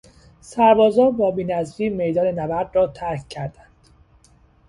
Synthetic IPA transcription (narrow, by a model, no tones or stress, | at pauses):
sæɾbɒːzɒːbɒːbiːnæzɾiːme̞jd̪ɒːnenæbæɾd̪rɒːt̪ʰæɾkʰcʰːæɾd̪ænd̪̥